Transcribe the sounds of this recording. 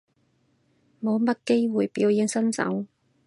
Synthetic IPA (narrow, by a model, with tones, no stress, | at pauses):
mo˨˧wmɐ˥t̚ke˥jwuː˨jpiː˨˥wji˨˧˥ŋsɐ˥nt͡sɐ̰˨˥w